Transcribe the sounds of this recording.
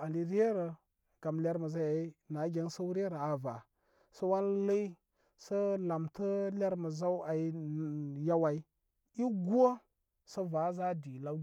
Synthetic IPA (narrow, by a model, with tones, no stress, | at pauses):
a˨li˨ɾe˦ɾə˨ | ɡ̥a˨mla˦ɾmə˨za˦a˨i˦na˨˦ɡʲe˦n˦sə˦u˦ɾe˦ɾa˨a˨va̰˨ | sə˦wa˦nlə˦i˦ | sə˦la˨mtə˦la˦ɾmə˨za˦wa˨i˦˨ja˦wa˨i˦ | i˦ɡʷo˦ | sə˦va˨˦za˦di˨la˦